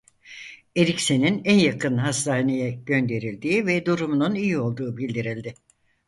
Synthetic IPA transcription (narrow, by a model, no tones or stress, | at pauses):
e̞ɾʲicse̞ninænjakʰɯnɦast̪ʰaːnejɛɟ̥ø̞nd̪e̞ɾilʲd̪iːvɛd̪uɾumununijio̞lˠd̪uːbilʲd̪iɾilʲd̪ɪ